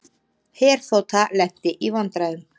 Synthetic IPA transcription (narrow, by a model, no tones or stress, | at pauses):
hɛːɾ̥θowt̪ʰalɛht̪ːɪʔivant̪ɾaʏm